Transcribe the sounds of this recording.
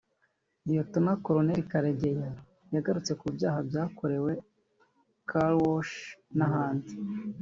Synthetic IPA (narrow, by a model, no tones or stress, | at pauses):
ijotumakoɾone̞ɾikaɾeɟe̞ja | jaɡaɾut͡se̞kubjaːhabjaːko̞ɾe̞we̞ | kʰalwoʃnaɦaːndi